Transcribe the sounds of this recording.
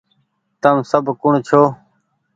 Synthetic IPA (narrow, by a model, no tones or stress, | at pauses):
t̪əmsəbʱkʊɳt͡ʃʰoː